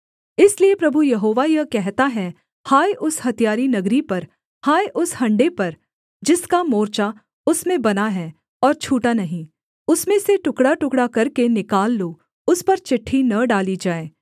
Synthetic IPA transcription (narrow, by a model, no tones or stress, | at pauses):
ɪsliepɾɐbʱujɐɦoːʋajɐkɛɦt̪aɦɛ | haːjʔʊshɐt̪ijaːɾinɐɡɾipɐɾ | haːjʔʊshɐ̃ɳɖepɐɾ | d͡ʒɪskamoːɾt͡ʃa | ʊsmẽbɐnaɦɛ | ɔːɾt͡ʃʰuːʈanɐɦĩ | ʊsmẽseʈʊkɽaʈʊkɽakɐɾkenɪkaːlːoː | ʊspɐɾt͡ʃɪʈʰːinɐɖaːlid͡ʒaːeː